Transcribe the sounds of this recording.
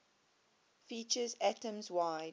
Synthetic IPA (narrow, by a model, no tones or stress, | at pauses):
fit͡ʃəzætə̃mzwaɪ